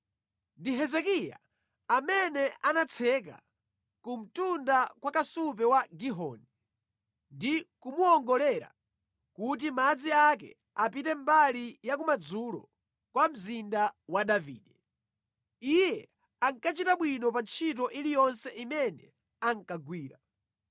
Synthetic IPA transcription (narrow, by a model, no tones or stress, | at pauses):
ndiɦɛzɛkija̰ː | mɛnɛanat͡sʰɛka̰ | kum̩tundakwakasupɛwaɡiɦɔ̰ːnɛ | ndikumuɔŋɡɔlɛɾa̰ | kut̬imad͡ziakɛ̰ | apitɛmbalijak̬umad͡zulɔ̰ | kwam̩zindawaɗavḭːɗɛ | ijɛ | aŋkat͡ʃitaɓwinɔpant͡ʃʰit̬ɔʔilijɔnsɛʔimɛnɛ | aŋkaɡwiːɾa